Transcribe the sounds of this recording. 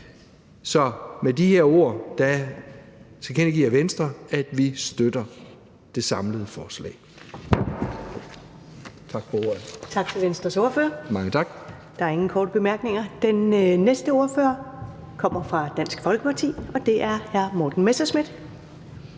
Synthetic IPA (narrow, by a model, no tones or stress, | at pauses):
sɒ̽med̥iheɐo̝ɐ̰d̥æ | sʰkʰen̰iɡ̥ḭːɐʋensd̥ʁɐæd̥ʋisd̥ød̥ɐ | d̥e̝sɑ̈mləð̞̩ˠəfɒːslɛ̰ː | t͡sʰɑ̈ɡ̥fɒo̝ɐð̩ˠt͡sʰɑ̈ɡ̥t͡sʰe̝lʋensd̥ʁɐso̝ɐføɐmɑ̈ŋət͡sʰɑ̈ɡ̥ | d̥ɑ̈æɐe̝ŋn̩kʰɒːd̥əb̥e̝mæɐɡ̥ne̝ŋɐd̥enːesd̥əo̝ɐføɐ | kʰɒ̽m̰ɐfʁɑ̈d̥æn̰sɡ̥fɒ̽lɡ̥əpʰɑ̈t͡sʰḭːɒ̽d̥e̝ʔæɐhæɐmɒːd̥n̩mesɐsmid̥